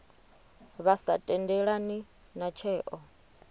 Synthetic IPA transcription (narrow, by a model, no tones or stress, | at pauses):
βasatʼɛndɛɺani | nat͡ʃʰɛːʔɔ